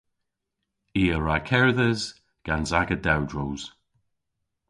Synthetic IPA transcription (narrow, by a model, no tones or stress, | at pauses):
iːəɹakʰɛɹðəz | ɡ̥anzaɡədawdɹowz̥